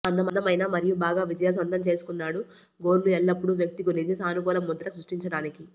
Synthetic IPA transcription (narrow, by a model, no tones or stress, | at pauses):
ɐnd̪ɐmɐd̪ɐmɐjnaːmɐɾijubaːɡaːʋid͡ʒɐjaːs̬ɐnt̪ɐmt͡ʃe̞ːsu̥kunːaːɽu | ɡo̞ːɾluɛlːɐpːuɽuʋjɐk̚t̪ikonid̪isaːnukɔːlɐmːud̪ɐɾɐsɾuʂʈiɲt͡ʃɐɽaːniki